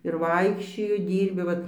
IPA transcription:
ɪr ˈʋɐɪkʃʲt͡ʃʲoːjʊ ˈdʲiːrʲbʲɪ ˈʋɐt

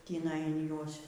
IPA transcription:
tʲiːˈnɐɪ ɪn ˈjuɔs

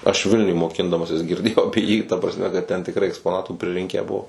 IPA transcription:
ɐʃ ˈʋʲɪlʲnʲʊj moːˈkʲɪndɐmɐsʲɪs ɡʲɪrʲˈdʲeːjɛʊ ˈɑːpʲiɛ jiː tɐ prɐsʲˈmʲɛ kɐt tʲɛn tʲɪkˈrɐɪ ɛkspoːˈnɑːtuː pʲrʲɪˈrʲɪŋʲkʲæː ˈbuɔ

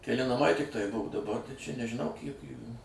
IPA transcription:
kʲɛˈlʲɪ nɐˈmɐɪ tʲɪkˈtɐɪ ˈbʊʋoː dɐˈbɐr tɐɪ t͡ʃʲɛ nʲɛʒʲɪˈnɐʊ ˈkʲiɛk ˈjuːjuː

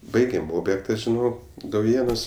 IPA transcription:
ˈbɐɪɡʲeːm ˈoːbʲjɛktɐ ʒʲɪˈnoː dɐʊˈjeːnuɔs

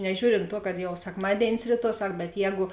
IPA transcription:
nʲɛˈʒʲuːrʲɪnt tuɔ kɐt jɛʊ sʲɛkˈmɑːdʲeːɪnʲɪs ˈrʲiːˌtuɔ ˈsɐk bʲɛt ˈjɛːɡʊ

